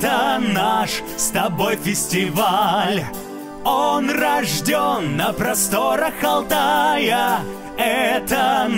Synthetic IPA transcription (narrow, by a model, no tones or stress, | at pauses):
t̪ənaʂ | st̪ɐbo̞jfʲɪsʲtʲɪvalʲ | onrɐʐdʲonːəpɾɐst̪oɾəxɐlˠt̪ajə | ɛt̪ə